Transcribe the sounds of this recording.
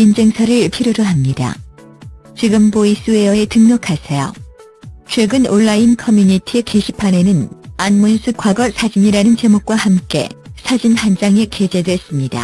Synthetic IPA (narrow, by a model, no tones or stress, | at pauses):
ind͡ʑe̞ŋsʰaɾɯɭpʰiɾjoɾoɦamɲida̰ | t͡ɕiɡɯmbois͈ue̞ʌe̞tɯŋnʌkʰasʰejo̰ | t͡ɕʰwe̞ɡɯnoɭːainkʰʌmjuɲitʰiekeɕʰipʰane̞nɯnanmonsʰuk͈waɡʌsʰad͡ʑiɲiɾanɯnt͡ɕe̞mok̚k͈wahamk͈e̞̰sʰad͡ʑinhand͡ʑaŋe̞ke̞d͡ʑe̞dwe̞s͈ɯmɲida̰